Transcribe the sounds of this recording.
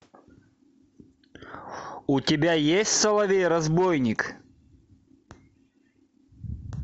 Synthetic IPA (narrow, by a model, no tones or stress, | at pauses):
ʊtʲɪbʲajesʲtʲsɐlˠɐvʲeɾɐzbojnʲɪk